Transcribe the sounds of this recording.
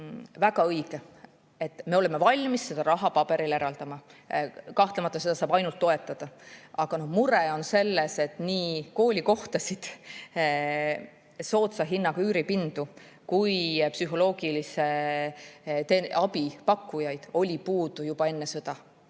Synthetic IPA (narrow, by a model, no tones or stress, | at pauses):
væɡ̥ɑɤjɡ̥e | e̞t̪ːˑme̞o̞leme̞vɑlʲmisːe̞d̪ɑɾɑɦɑpɑbe̞ɾile̞ɾɑld̪ɑmɑ | kɑht̪lemɑt̪ːˑɑse̞d̪ɑsɑːbɑjnult̪ːoe̞t̪ːˑɑd̪̥ɑɑɡ̥ɑno̞hmuɾeo̞nse̞lːese̞t̪niːko̞ːlʲiko̞ht̪ɑsid̪̥ | so̞ːt̪sɑɦinːɑɡ̥yːɾipind̪̥u | kujpsyɦo̞lo̞ːɡilise̞ | t̪eɑbipɑkːujɑjd̪̥o̞lʲipuːd̪̥ujub̥ɑe̞nːesɤ̞d̪̥ɑ